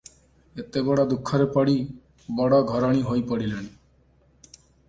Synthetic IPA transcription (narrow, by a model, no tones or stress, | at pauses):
et̪ebɔɽɔd̪ukʰːɔɾepɔɽi | bɔɽɔɡʱɔɾɔɽ̃iɦojpɔɽileɽ̃i